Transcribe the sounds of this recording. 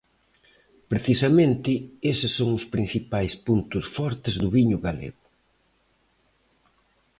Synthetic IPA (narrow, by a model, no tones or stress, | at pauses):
pɾeθisamẽnt̪ɪesɪsːoŋʊspɾĩn̟θipajspunt̪ʊsfɔɾt̪ɪzðʊβiɲʊɣalḛɣʊ